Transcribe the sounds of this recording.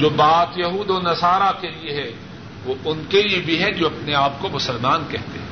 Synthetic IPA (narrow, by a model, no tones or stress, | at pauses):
d͡ʒoːbaːt̪jɐɦuːd̪oːnɐsaːɾakelieɦɛ | ʋoʊnkeliebʱiɦɛd͡ʒoːɐpneaːp̚komʊsəlmaːnkɛɦt̪eɦ